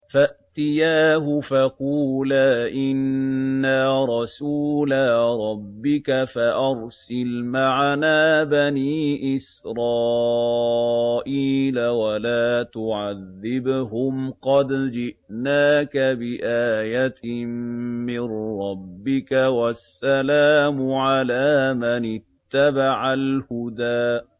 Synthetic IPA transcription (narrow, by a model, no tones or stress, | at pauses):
faʔt̪ɪjaːɦʊfaquːlaːʔɪnːaɾˤɑsuːlaɾˤɑbːɪkafaʔɑɾˤsɪlmaʕanaːbaniːʔɪs | ɾˤɑː | ʔiːlawalaːt̪ʊʕaðːɪbɦʊmqɑd̪d͡ʒɪʔnaːkabɪʔaːjat̪ɪmmɪnɾˤɑbːɪkawasːalaːmʊʕalaːmanɪt̪ːabaʕalhʊd̪aː